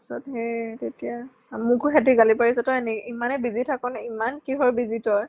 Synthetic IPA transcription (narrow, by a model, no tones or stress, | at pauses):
sɔtɦɛtetija | mʊkuxɛtiɡalipaɹisɛtɔɛnɛʔimanɛbizitʰakɔnɛimankiɦɔjbizitɔj